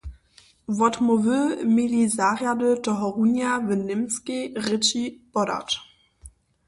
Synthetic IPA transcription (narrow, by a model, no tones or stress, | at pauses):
vɔtmovømelizaʁjadətɔɦɔʁunjavənɪmskeʁɪt͡ʃib̥ɔɾa̰t